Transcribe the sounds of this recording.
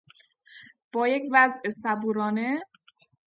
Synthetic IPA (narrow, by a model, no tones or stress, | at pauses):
b̥ɒːje̞cvæzesæbuːɾɒːne̞